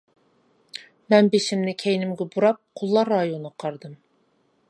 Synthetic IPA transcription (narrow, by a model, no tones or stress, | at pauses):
mɛnbeʃimnɪkʲʰejnɪmɡʲɪbuɾɑp̚qʰʊlˠːɑɾːɑjonqʰɑɾd̪ɨm